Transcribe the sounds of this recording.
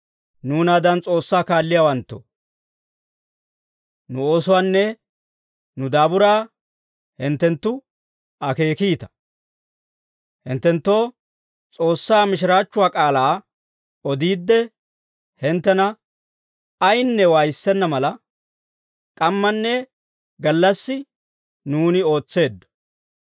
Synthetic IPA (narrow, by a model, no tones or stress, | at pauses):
nuːnaːd̪ɐnt͡sʼo̞ːsːaːkaːlːɪjawɐnt̪ːo̰ | nʊoːsʊwaːnːɛ | nʊd̪aːbʊɾaː | hɪnt̪ːɛnt̪ːʊ | ɐke̞ːkiːt̪ɐ̥ | hɪnt̪ːɛnt̪ːo̞ː | t͡sʼo̞ːsːaːmɪʃ̬ɪɾaːt͡ʃːʊwaːkʼaːlaː | ɔd̪iːd̪ːɛ | hɪnt̪ːɛnɐ | ɐjnːɛwaːjsːɛnːɐmɐlɐ | kʼɐmːɐnːɛ | ɡɐlːɐsːɪ | nuːnɪo̞ːt͡sːe̞ːd̪ːɔ̥